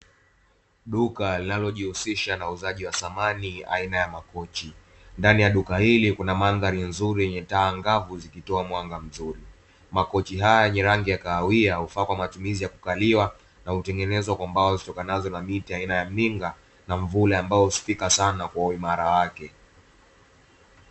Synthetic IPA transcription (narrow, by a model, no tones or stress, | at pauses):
ɗukalinalɔʄihusiʃanauzaʄiwasamania̰inajamakɔt͡ʃi | ndanijaɗukahilikunamanðaɾin̩zuɾijɛɲɛtaːŋɡavuzikitɔamwaŋɡam̩zuɾi | makɔt͡ʃiɦajajɛɲɛɾaŋɡijakaːwiahufakwamatumizijaku̥kaliwa | nahutɛŋɡɛnɛzwakwambaazitɔkanazɔnamitiainajam̩niŋɡa | naɱvulɛambaɔusi̥fikasanakwauimaɾawakɛ